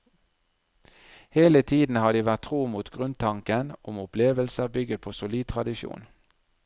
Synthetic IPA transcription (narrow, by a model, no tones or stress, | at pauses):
heːlət̪ʰiːd̪n̩hɑːd̪iːʋæt̪ʰʁuːmuːt̪ɡʁʉnt̪ʰɑŋkənʊmʊpleːʋəlsəʁbʏɡət̪pʰoːsʊliːd̪̚t̪ʰʁɑd̪ɪʃṵːn